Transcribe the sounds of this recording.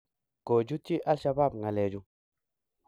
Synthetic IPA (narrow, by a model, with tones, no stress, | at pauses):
ko˨d͡ʒu˦t͡ʃi˦ʔa˦lʃa˧ba˦˨b̚ŋa˨lɛ˨d͡ʒu˨